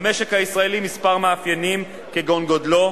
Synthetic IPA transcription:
me̞ʃekhaisʁaelimispaʁmaafjanim | keɡonɡodlo̞

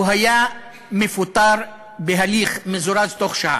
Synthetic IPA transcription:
ɦaja | mefut̪ˤːɑɾˤ | beɦaliːxmezuɾazt̪oχʃa̰

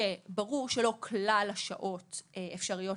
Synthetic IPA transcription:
ebaʁuʁʃelo̞kʰlalaʃaʔo̞teefʃaʁijo̞

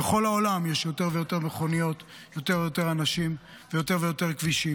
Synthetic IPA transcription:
eχo̞laolamjeʃjo̞t̪e̞ʁve̞jo̞t̪e̞ʁmeχo̞nijo̞t̪ | jo̞t̪e̞ʁvejo̞te̞ʁanaʃim | vejo̞t̪e̞ʁvejo̞t̪e̞ʁkviʃi

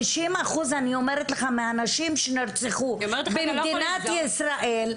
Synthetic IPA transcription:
ʃimaχuzanio̞me̞ʁet̪leχameanaʃimʃeniʁt͡seχubemd̪inat̪jisʁaʔel

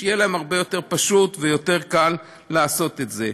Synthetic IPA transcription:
ejelaemhaʁbe̞jo̞te̞ʁpaʃut̪vejo̞te̞ʁkalː | aːso̞t̪etze

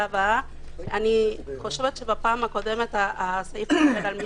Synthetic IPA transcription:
ava | aniχo̞ʃe̞vet̪ʃebapaːmhako̞de̞me̞taasajifaveʁalmi

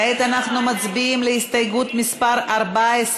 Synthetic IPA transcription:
et̪anaχnumat͡sbiimleist̪ajɡut̪mispaʁaʁbaes

